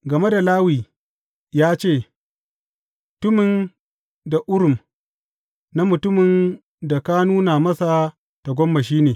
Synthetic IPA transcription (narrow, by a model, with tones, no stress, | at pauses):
ɡɐ˨me˦da˨laː˦wiː˨ | jaː˦t͡ʃeː˦˨ | mʊ˨tʊ˦mɪ˨n | da˨ʔʊ˦ɽʊ˨m | na˦mʊ˨tʊ˦mɪ˨n | da˨ka˦nuː˦na˨mɐ˦sa˨ | ta˨ɡʷɔ˦mːa˨ʃ̬iː˦neː˨